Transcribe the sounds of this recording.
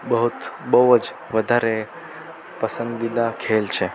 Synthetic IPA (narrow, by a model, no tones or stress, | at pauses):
bəɦut̪bəwəd͡ʒ | ʋəd̪ʱaɾe | pəsənd̪id̪akʰelt͡ʃʰe